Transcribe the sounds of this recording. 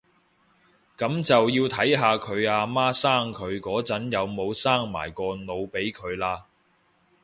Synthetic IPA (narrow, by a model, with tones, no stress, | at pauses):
kɐ˨˥mt͡sɐ˨wjiː˧wt̪ʰɐ˨˥jɦaː˨˧kʰɵ˨˧ɥaː˧maː˥saː˥ŋkʰɵ˨˧ɥkɔː˨˥t͡sɐ˨˥njɐ˨˧wmo˨˧wsaː˥ŋma̰ː˨˩jkɔː˧no˨˧wpe˨˥jkʰɵ˨˧ɥlaː˧